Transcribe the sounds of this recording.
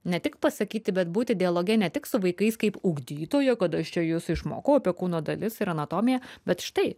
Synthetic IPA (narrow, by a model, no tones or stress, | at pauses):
nʲɛt̪ʲɪkpɐsɐkʲiːt̪ʲɪbʲɛt̪buːt̪ʲɪd̪ʲɪɐlˠoːɡʲɛnʲɛt̪ʲɪksʊʋɐɪkɐɪskɐɪpʊɡd̪ʲiːt̪oːjɛkɐt̪ɐʃt͡ʃʲɛjʊsɪʃmo̰ːkɐʊɐpʲiɛkuːnoːd̪ɐlʲɪsɪɾɐnɐt̪oːmʲɪjɛbʲɛt̪ʃɪ̥t̪ɐɪ